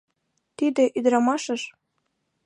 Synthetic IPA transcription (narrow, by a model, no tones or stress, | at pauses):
t̪id̪eʔyd̪ɾɑmɑʃə̆ʃ